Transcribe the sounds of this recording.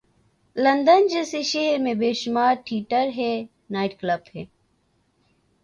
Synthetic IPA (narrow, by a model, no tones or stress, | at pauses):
lɐ̃nd̪ənd͡ʒeːseʃeːɾmẽbeːʃʊmaːɾʈʰiːʈəɾɦɛ | naːɪʈkləbhɛː